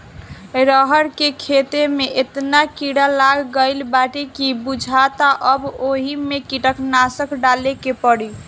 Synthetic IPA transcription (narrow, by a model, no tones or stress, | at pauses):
ɾəɦəɾkekʰet̪emeʔet̪nakiɽalaɡːəɪlbaʈekibud͡ʒʱat̪aʔəboɦimekiʈəknasəkɖalekepəɽi